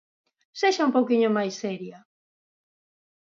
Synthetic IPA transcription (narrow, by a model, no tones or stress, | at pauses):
seʃaumpowkiɲomajseɾja